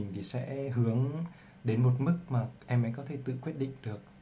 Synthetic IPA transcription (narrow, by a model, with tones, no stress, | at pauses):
ŋ̟t̪ʰi˨˩sɛ̰˧˥ɦɨ˨˦əŋ | ɗe˨˦nmo˨˩t̚mɨ˦˥k̚maː˨˩ʔɛ˧mʔa̰˧˥jkɔ˨˦t̪ʰe˧˩t̪ɨ̰˧˨kwi˦˥ət̚ɗḭ̈˧˨ŋ̟ɗɨ˨˩ək̚